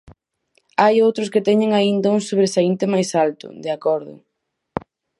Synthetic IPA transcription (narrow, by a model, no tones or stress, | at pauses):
ajowt̪ɾʊskɪt̪ɛɲɪŋaind̪ɐuŋsoβɾesaint̪emajsalt̪ʊ̰d̪eakɔɾðʊ̰